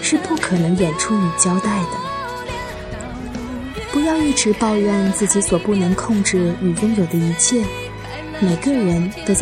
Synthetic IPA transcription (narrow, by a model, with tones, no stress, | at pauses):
ʂɻ̩˥˧pu˥˩kʰɤ˨˩nɤ˧˥ŋjɛ˨˩nʈ͡ʂʰu˥˩y˨˩t͡ɕjɑ˥ʊt̪a˥˩ɪd̪ə˩ | pu˧˥jɑ˥˧ʊi˥˩ʈ͡ʂɻ̩˧˥pɑ˥˧ʊɻɑ˥˧ŋt͡sɹ̩˥˩t͡ɕi˧˥swɔ˨˩pu˥˩nɤ˧˥ŋkʰʊ˥˧ŋʈ͡ʂɻ̩˥˩y˨˩jʊ˥ŋjo˨˩d̪ə˦i˧˥t͡ɕʰjɛ˥˩ | me˨˩ɪɡə˦ɻə˧˥nt̪o˥ʊ